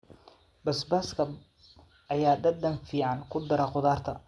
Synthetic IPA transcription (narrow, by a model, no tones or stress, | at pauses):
bɐsbaskʰɐ | ɐjaːd̪ɐd̪ːɐnfiːʕɑnkʰʊd̪ɐɾɐqʊðaːrt̪ʰɐ